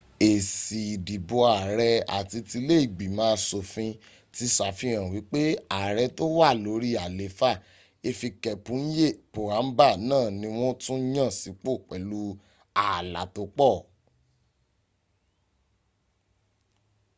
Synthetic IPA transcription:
e˨si˨di˨bo˧a˨ɾɛ˧a̰˨ti˧ti˧le˦i˦˨ɡ͡bi˨mãː˦˧˦so˨fĩ˧ | ti˧sa˨fĩ˧˦ɾ̃ã˨wi˨˦k͡pe˦a˨ɾɛ˧to˦wa˦˨lo˨˦ɾi˦a˨le˨˦fa˦˨ | e˧fi˧kɛ˧pũ˨˦n̩˦je˦˨po˨ɾa˨˦m̩˦ba˦˨nãː˦˨nĩ˧˦w̃ɔ̃˦tũ˦j̃ã˦˨si˨˦k͡po˦˨k͡pɛ˨˦lu˦ | a˨la̰˨to˧k͡pɔ˦˨

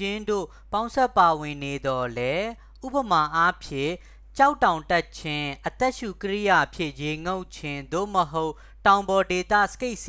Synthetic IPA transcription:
ɪ̃˦ndo̰˦˨ | pã˦ʊ̃nsɛ˦˨pːa˨wɪ̃˨ne˨d̪ɔ˨lɛ˦ | ʔṵ˦pəma˨ʔa˦pʰjɪ̰̃˦˨ | t͡ɕa˦ʊʔtːã˨ʊ̃tɛ˦tt͡ɕʰɪ̃˦ʔət̪ɛ˦ʔʃu˨kəɹḭ˦ja˨pʰjɪ̰̃˦ʔje˨ŋo˦ʊ̃t͡ɕʰɪ̃˦˨nd̪o̰˦˨məɦo˦ʊʔ | tã˨ʊ̃mbɔ˨de˨t̪ä̰˦˨sə̥ke˦ɪʔs

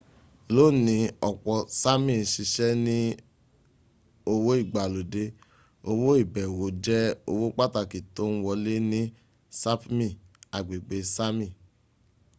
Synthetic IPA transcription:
lo˦˨nĩ˨˧˦ɔ˨k͡pɔ˧sa˦mĩ˦˨ʃi˧ʃɛ˦nĩ˦ | o˧wo˦i˦˨ɡ͡ba˨lo˨de˧˦ | o˧wo˦i˦˨bɛ˨wo˨˦d͡ʒɛ˦o˧wo˦k͡pa˦ta˧˨ki˨to˦n̩˦wɔ˧le˦nĩ˦ | sa˦pmĩ˦˨a˨ɡ͡be˨ɡ͡be˨˦sa˦mĩ˦˨

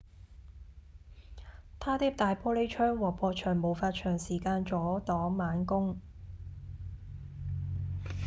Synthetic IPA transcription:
t̪ʰaː˥t̪iː˥p̚t̪aː˨jpʰɔː˥le˨˥jt͡ʃʰœː˥ŋwɔː˨˩k̚pʰɔː˧t͡ʃʰœː˨˩ŋmo˨˩wfaː˧t̚t͡ʃʰœː˨˩ŋsiː˨˩kaː˧nt͡sɔː˨˥t̪ɔː˨˥maː˨˥nkʊ˥ŋ

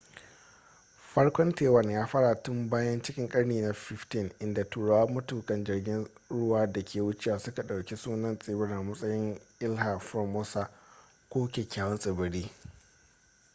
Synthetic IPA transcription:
ɸɐ˦ɽkʷɔ˦nteː˨wɐ˦˨njaː˦ɸɐː˦ɽa˨tʊ˦mbaː˦jɐ˦nt͡ʃɪ˦kʲɪ˨˦ŋkʼɐ˦ɽniː˨na˨fɪ˦ftɪ˦˨nʔɪ˨nda˨tuː˨ɽa˨waː˦mɐ˦tuː˨kɐ˦nd͡ʒɪ˨rɡʲɪ˦n | ɽʊ˦waː˦da˨kʲʰeː˨wʊ˦t͡ʃe˦waː˨sʊ˦ka˨ɗa˨wkʲi˦suː˦nɐ˦nsʼɪ˦bɪ˦ɽa˨mɐ˦sʼɐ˦jɪ˦ŋʔɪ˦lɦa˨ɸɔ˦moː˦sa˦ | kʷoː˦kʲeː˨kʲaː˦wɐ˦nsʼɪ˨bɪ˨ɽiː˦

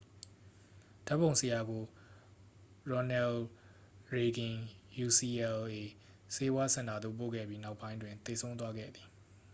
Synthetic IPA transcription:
d̥a˦pːõ˨ʊ̃nsə˨ja˨ɡo˨ | ɹɔ˨nɛ˨l | ɹe˨ɡɪ̃˨ju˨si˨ɛ˨le˨ | se˦wa˦sʰã˨nda˨d̪ðo̰˦˨p̬o̰˦˨ɡɛ̰˦˨bji˦na˦ʊpːã˦ɪ̃ndwɪ̃˨nt̪e˨sʰõ˦ʊ̃nt̪wa˦ɡɛ̰˦˨d̪ði˨

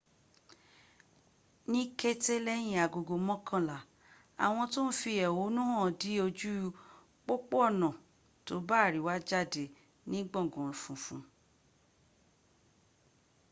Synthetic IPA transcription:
nĩ˦ke˦te˦lɛ˦j̃ĩ˧˨a˨ɡo˨ɡo˨mɔ̃˦kʰã˦˨la˨ | a̰˨w̃ɔ̃˧to˦n̩˦fi˧ɛ˨wo˨˦nũ˦hɔ̃˦˨di˨˦o˧d͡ʒu˦ | k͡po˦k͡po˦ɔ˦˨nã˨ | to˨˦ba˦˨ɾi˨˦wa˦d͡ʒa˦˨de˨ | nĩ˦ɡ͡bɔ̃˦˨ɡɔ̃˨fũ˨fũ˨˦

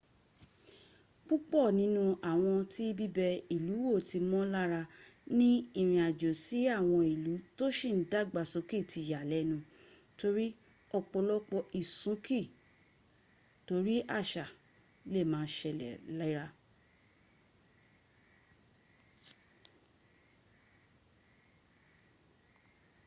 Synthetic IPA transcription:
k͡pu˦k͡pɔ˦˨nĩ˨˦nũ˦a˨w̃ɔ̃˧ti˦bi˦bɛ˧i˨lu˨˦wo˦˨ti˧mɔ̃˦la˦ɾa˧nĩ˦i˦˨ɾ̃ĩ˨a˨d͡ʒo˨si˨˦a˦˨w̃ɔ̃˧i˨lu˨˦to˦ʃĩ˦˨n̩˨˦da˦ɡ͡ba˧˨sũ˨˦ki˦˨ti˧˨ja˨lɛ˨˦nũ˧ | to˧ɾi˦ | ɔ˧k͡pɔ˧lɔ˦k͡pɔ˧i˨sũ˨˦ki˦˨ | to˨˦ɾi˦ʔa˦˨ʃa˨ | le˦˨mãː˨˦ʃɛ˧˨lɛ̰˨la˦i˦ɾa˧

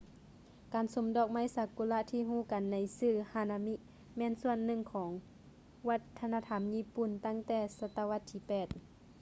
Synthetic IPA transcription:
kaː˨˩nso˨˦mdɔː˧˩k̚ma˧˥˨jsa˨˧˦ku˧˨la˧ʔt̪ʰiː˧˨ɦuː˧˩˨ka˨nːa˨˧˦jsɯː˧˩haː˧˨na˧mi˧˥ʔ | mɛː˧˥˨nsu˧˩ənːɯ˧˩ŋkʰɔː˩˦ŋ | wa˧t̪ʰːa˧naː˧t̪ʰa˧˥˨mjiː˧˥˨pu˨˩nt̪a˧˥˨ŋt̪ɛː˧˩sa˧t̪a˧wa˧˥t̪ʰːiː˧˨pɛː˨˩t̪̚

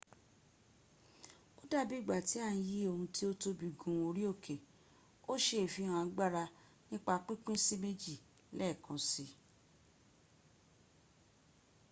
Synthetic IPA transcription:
o˦da˦bi˦˨ɡ͡ba˨ti˨˦a˦˨ñ̩˧ji˦o˧hũ˧tʰi˦o˦to˧bi˨ɡũ˨˧o˧ɾi˦o˦˨kʰe˨ | o˦ʃe˦˨fi˧˦hã˧˨a˧ɡ͡ba˦ɾa˧ | nĩ˦k͡pa˧k͡pĩ˦k͡pĩ˦si˦me˦d͡ʒi˦˨ | lɛ˦˨kʰã˧si˨˧

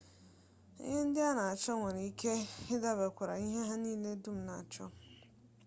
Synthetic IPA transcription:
hɪ̃˦n̩˦dɪ˦a˦nã˨a˨t͡ɕʰɔ̃˦nwɔ̃˨nĩ˨i˦kʰɛ˦ɪ˦da˦bɛ˨kʰʊ˨ɾa̰˨ɲĩ˦ɦɛ̃˦ɦã˦nĩ˦˨nɛ̃˦dũ˦mnã˨t͡ɕʰɔ̰̃˦n

